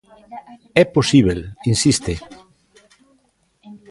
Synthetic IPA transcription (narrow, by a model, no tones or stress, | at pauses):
ɛposiβ̞elinsist̪e